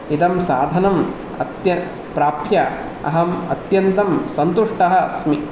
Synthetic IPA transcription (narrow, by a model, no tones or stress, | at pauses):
it̪ɐmsaːd̪ʱɐnɐm | ɐ̰t̪jɐ | pɾaːpjɐ | ɐ̰ɦɐmɐt̪jɐnt̪ɐmsɐnt̪uʂʈɐɦɐɐsmi